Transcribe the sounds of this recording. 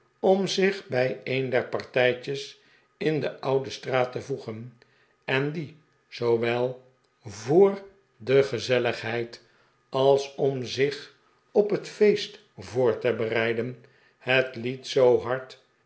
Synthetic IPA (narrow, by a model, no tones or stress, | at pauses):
ɔmzɪχbɛjejndɛɹpɑɹtɛjt͡ʃəs | ɪndəʔɑwdəstraːtəvuχən | ɛndi | z̥owʋɛlˠ | vʊːr | dəχəzɛləχɦɛjt | ɑlˠsɔmzɪχ | ɔpɦətfejst | voːɹtəbərɛjdən | hətlitsowɦɑɹt